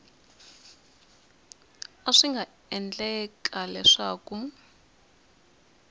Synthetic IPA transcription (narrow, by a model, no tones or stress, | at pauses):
aʂiŋɡʱa | ɛnd͡ɮʼɛk̬ʼalɛʂaːku